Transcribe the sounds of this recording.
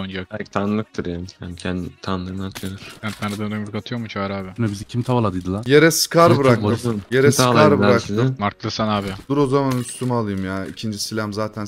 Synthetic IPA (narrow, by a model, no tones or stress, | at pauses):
ond͡ʒakɛlʲcʰi̥t̪ʰanlˠɯk̚t̪ʰɯɾjaːmjancʰɛnt̪ʰanlˠɯnaɾt̪ʰed̪ɯɾ̥bænt̪ʰanɯd̪and̪oikʰat̪ʰɯjo̞ɾmut͡ʃʰaaɾaːbɪnɛbizicʰimt̪ʰavalˠad̪ɯjd̪ɯlˠaje̞ɾɛsɯ̥kʰaɾbɯɾaktɯnjeɾɛsk̪aɾbɯɾak̪ɯmaɾklˠɯɾsanaːbɪd̪̥uɾo̞zamanyst̪ʰymalˠɯjɯmjaːicʰind͡ʒisilʲamzaːt̪ʰæn